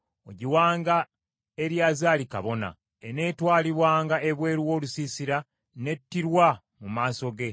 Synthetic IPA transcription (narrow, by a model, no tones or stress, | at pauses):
o̞̰ɟiwaːŋɡa | e̞ɾjaːzaːlika̰βo̞na̰ | ene̞twaːliβwaːŋɡaʔeβwe̞ːɾuwo̞ːlusiːsiɾa | ne̞tːiɾwa | mumaːso̞ɡe̞